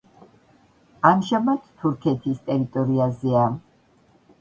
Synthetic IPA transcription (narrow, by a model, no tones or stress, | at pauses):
amʒamat̪ʰt̪ʰuɾkʰɛt̪ʰist̪ʼɛɾit̪ʼɔɾiazɛa